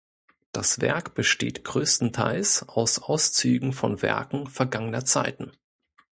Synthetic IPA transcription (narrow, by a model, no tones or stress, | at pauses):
d̥asv̥ɛ̰ɐkb̥əʃtḛːtɡ̥ʁøːstn̩tʰaɪlsʔaʊsʔaʊst͡syːɡŋ̩fɔnvɛ̰ɐkŋ̩fɛɐɡaŋənɐt͡sa̰ɪtn̩